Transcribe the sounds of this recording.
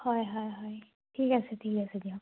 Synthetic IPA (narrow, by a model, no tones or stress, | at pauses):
hojɦojɦoj | ʈʰiːkɛːseʈʰiːkɛsed͡ʒiɦã